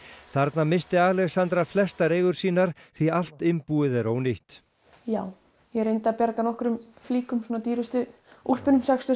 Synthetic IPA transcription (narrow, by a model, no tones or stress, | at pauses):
θaɾt̪namɪst̪ɪaːɣlɛɣsant̪ɾaflɛst̪aɾeːjɣʏɾ̥siːnaɾ̥θvial̥t̪ɪmpuːɪðɛɾoːwnɪht̪ | jaːw | jɛɾejnt̪apjaɾkanɔhkʏɾʏm | fliːkʏmsuɔnat̪iːɾʏst̪ʏ | ul̥pʏnʏmsakst̪ʏ